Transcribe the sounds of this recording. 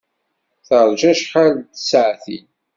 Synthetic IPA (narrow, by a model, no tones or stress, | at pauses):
θəɾˤd͡ʒæʃħalt̪sʕθin